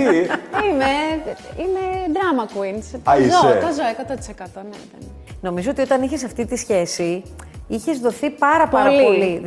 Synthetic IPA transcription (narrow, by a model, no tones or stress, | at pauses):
iimeimed̪ɾɐmɐkwinsɐizsoet̪ɐzoekɐt̪ot̪i̥sekɐt̪onḛðen | no̞mizo̞ot̪io̞t̪ɐniçes̬ɐft̪it̪isçe̞siiçe̞zðo̞θipɐɾɐpɐɾɐlioli